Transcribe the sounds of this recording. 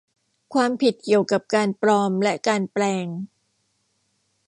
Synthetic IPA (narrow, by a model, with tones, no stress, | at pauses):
kʰwaː˧mpʰi˨˩t̪̚ki˨˩əwka˨˩p̚kaː˧npɾɔː˧mlɛ˦˥ʔkaː˧nplɛː˧ŋ